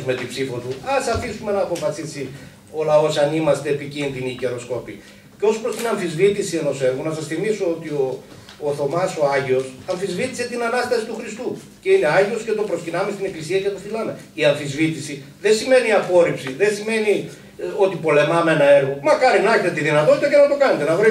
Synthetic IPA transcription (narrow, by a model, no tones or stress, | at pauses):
zme̞t̪ibsifot̪uɐsɐfisume̞nɐːpofɐsisi | olɐo̞sɐnimɐst̪eːpicinðiniːce̞ɾo̞skopḭ | ceo̞spɾost̪inɐɱfizvit̪isie̞no̞se̞ɾɣonɐsɐsθimiso̞ot̪io̞ː | θo̞mɐso̞ɐʝio̞sɐɱfizvit̪i̥se̞t̪inɐnɐst̪ɐsit̪uxɾist̪u | ce̞ine̞ɐʝio̞sce̞t̪opɾo̞scinɐme̞st̪ine̞klisiɐcet̪oθilɐme̞iɐɱfizvit̪isi | ðensime̞niɐpo̞ɾipsiðesime̞ni | o̞t̪ipo̞le̞mɐmenɐe̞ɾɣo̞mɐkɐɾinɐçet̪et̪iðinɐt̪o̞t̪it̪ɐce̞nɐt̪o̞kɐnet̪enɐvɾi